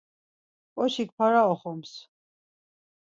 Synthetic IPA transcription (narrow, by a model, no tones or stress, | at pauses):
pʼɔʃik̚pʰaɾaɔχɔms